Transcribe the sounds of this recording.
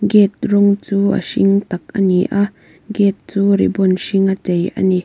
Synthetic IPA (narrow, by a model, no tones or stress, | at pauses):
ɡɛt̪̚rɔŋt͡suːa̰ʃiŋt̪ak̚ʔaniʔa | ɡɛt̪̚t͡suːɾḭbɔnʃiŋat͡sejʔa̰ni